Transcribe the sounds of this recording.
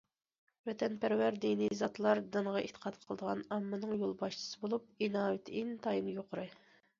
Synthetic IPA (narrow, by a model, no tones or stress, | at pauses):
vɛt̪ʰɛnpæɾwæɾd̪inizɑt̪ʰlˠɑɾd̪ɨɴʁɑʔet̪ʰə̥qʰɑt̪qʰəlˠəd̪əʁɑ̰nɑmːɨnɨŋjolˠbɑʃt͡ʃʰi̥sɨbolˠup̚inɑːwet̪ʰint̪ʰɑjinjoqʰəɾɨ